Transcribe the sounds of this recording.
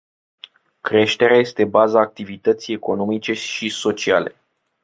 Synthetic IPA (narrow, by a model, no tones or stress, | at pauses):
kɾe̞ʃt̪e̞ɾeaje̞st̪e̞bazaːk̚t̪ivit̪ət̪sije̞ko̞no̞mit͡ʃe̞ʃiso̞t͡ʃiale̞̰